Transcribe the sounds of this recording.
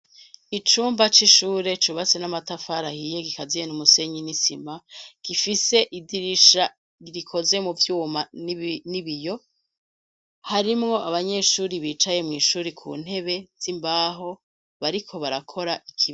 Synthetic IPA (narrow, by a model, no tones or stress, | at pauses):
it͡ʃuːmbat͡ʃiʃuːɾe̞t͡ʃuβat͡se̞namatafaɾahijeɡikazijenumuse̞ɲinisimaɡ̥ifise̞ʔidiɾiʃa | iɾikʰo̞ze̞muvjuːmaniβijo̞ | haɾimŋo̞ʔaβaɲe̞ʃuːɾiβiːt͡ʃaje̞mŋiːʃuːɾikʰṵːn̥he̞βe̞z̥imbaːɦo | βaɾikʰo̞βaɾakʰo̞ɾaʔikʰi